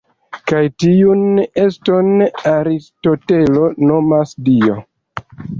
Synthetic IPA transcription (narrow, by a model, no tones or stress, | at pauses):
kajtiune̞sto̞naɾisto̞te̞lo̞nomasdio̞